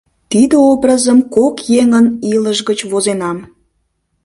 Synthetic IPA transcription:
t̪id̪eobrəzəmkokjeŋəniləʒɣət͡ɕβozenɑm

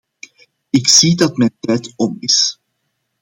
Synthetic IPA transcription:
ɪksidɑtmɛntɛjtɔmɪs

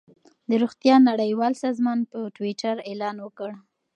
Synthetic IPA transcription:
d̪əɾuɣt̪jɑnaɽəjwɑlsɑzmɑnpəʈwiʈaɾelɑnwəkəɽ

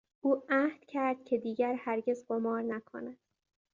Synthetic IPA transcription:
ʔuːæhd̪̥cʰæɾd̪̥̚cʲʰe̞d̪iːɟæɾhæɾɟe̞zɢomɒːɾnækʰo̞̰næd̪̥

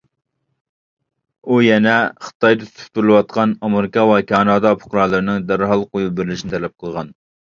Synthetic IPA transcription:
ujɛnɛχə̥t̪ɑjd̪ɨt̪ʰt̪ʰʊ̥p̚t̪uɾlˠɨwɑt̪̚qʰɑnɑmeɾɪkɑwɑkʲʰɑːnɑːd̪ɑpʰʊ̥qɾɑlˠɨɾɨnɨŋd̪æɾɦɑlˠqojubɪɾɪlɪʃinɪt̪ʰɛlɛp̚qʰəlˠʁɑn

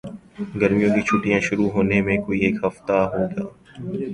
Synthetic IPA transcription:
ɡəɾmijõkit͡ʃʰuːʈijãʃʊɾuɦoːnemẽkoːieːkɦɐft̪aɦoːɡaː

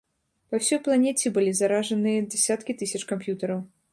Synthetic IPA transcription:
pawsʲɔjplˠanʲɛt͡sʲɛbɨlʲizaɾaʐɐnɨjɐd͡zʲɛsʲat̪kʲit̪ɨsʲɐt͡ʂkampjut̪ɐɾɐw

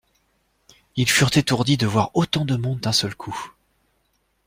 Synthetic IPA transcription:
ilfyʁt̪et̪uʁd̪id̪əvwaʁot̪ɑ̃d̪əmɔ̃d̪ːɛ̃sœlkʰu

